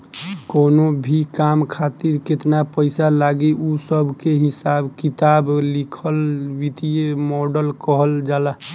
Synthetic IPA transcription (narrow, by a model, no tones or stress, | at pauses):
konobʱikamkʰat̪iɾket̪napəɪsalaɡeʔusəbʱkeɦisabkit̪ablikʰəlwit̪ijemɔɖəlkəɦəld͡ʒaːla